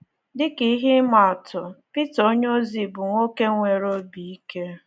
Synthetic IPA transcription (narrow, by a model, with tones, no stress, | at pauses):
dɪ˦ki˨˦ɦɪ˦ma˨tʊ˨pi˦to˦ɲo˦zi˨bʊ˨ŋʷo˦ke˦ŋʷe˨ɾo˦bi˨i˦ke˦